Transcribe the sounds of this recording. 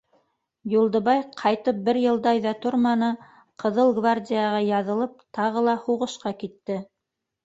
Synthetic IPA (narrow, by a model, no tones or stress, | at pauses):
julˠd̪ɤ̆βɑjqʰɑjt̪ɤp̚bɘɾjɤ̆lˠd̪ɑjðɑt̪oɾmɑnɤ | qɤ̆ðɤlˠɡvardʲijaʁɑjɑðɤ̆lˠɤp̚t̪ɑʁɤlˠɑhuʁɤ̆ʃqɑkit̪ːɘ